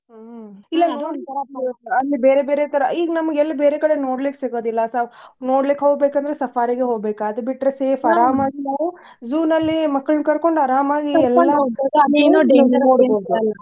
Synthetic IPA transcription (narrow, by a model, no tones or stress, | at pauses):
ilːɐnoːt̪ɐɾɐɐlːibeːɾebeːɾet̪ɐɾɐiːɡɐnɐmɐɡɛlːɐbeːɾekɐɽenoːɽliksiɡoːd̪ilːɐsanoːɽlikːɦoːɡ̚beːkɐnd̪ɐɾesɐfaːɾiɡeɦoːɡbeːkɐd̪ɐbiʈːɾeseːfʰɐɾaːmaːɡinaːʋu | zuːnɐlːimɐkːɐɭnkɐɾko̞ɳɖɐɾaːmaːɡiɛlːɐniːnuːɖinoːɽboːd̪uɐlːɐ